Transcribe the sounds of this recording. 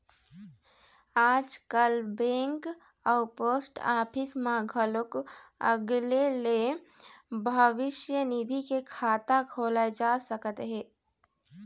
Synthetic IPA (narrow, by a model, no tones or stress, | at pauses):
aːd͡ʒkəlbẽːŋk | aʊpoːsʈaːpʰɪsmãɡʱəlʊkə̰ɡlele | bʱəʋɪʃjənid̪ʱikekʰaːt̪akʰoːlad͡ʒaːsəkət̪ɦɛ̃ː